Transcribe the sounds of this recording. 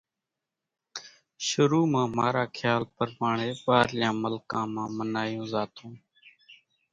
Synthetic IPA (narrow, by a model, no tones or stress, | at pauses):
ʃʊɾuːmãːmaːɾaːkʰjaːlpəɾmaːɳeːɓaːɾlɪjãːməlkãːmãːmənaːjõːzaːt̪ũː